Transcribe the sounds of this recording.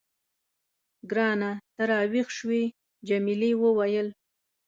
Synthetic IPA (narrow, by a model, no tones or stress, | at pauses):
ɡɾɑnat̪aɾɑwixʃwi | d͡ʒamilewəwajəl